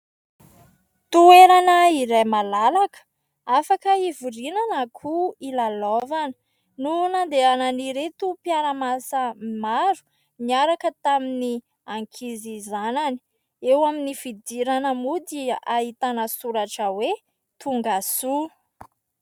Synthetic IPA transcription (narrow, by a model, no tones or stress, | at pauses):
t̪ueɾanəiɾajmalalakə̥ | afakəivurinanakʰuilalovanə̥ | nunand̪eananiɾet̪upjaɾəmasəmaɾu̥ | niaɾakət̪amini | aŋkʰizizanani̥ | ewaminifid̪iɾanəmud̪iait̪anəsuɾaʈ͡ʂəwe | t̪uŋɡasu